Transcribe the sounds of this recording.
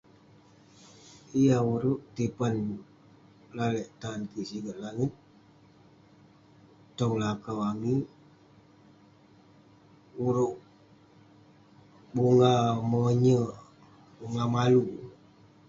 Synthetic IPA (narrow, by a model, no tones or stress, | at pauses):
ijauɾuʔt̪ipan | lalɛʔt̪ankisiɡəʔlaŋit̪̚ | ɔŋlakawami | uɾuʔ | buŋamɔɲə | uŋamalu